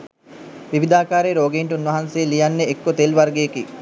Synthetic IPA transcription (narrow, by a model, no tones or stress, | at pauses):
ʋiʋid̪aːkaːɾeːɾoːɡeiɳʈunʋɐɦanseːlijɐnːeekːot̪elʋɐrɡeːki